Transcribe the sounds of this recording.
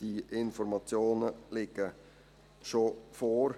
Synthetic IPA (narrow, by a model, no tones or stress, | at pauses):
iʔɪnfɔɾmɑt͡sjoːnəlɪɡə | ʃofɔːɾ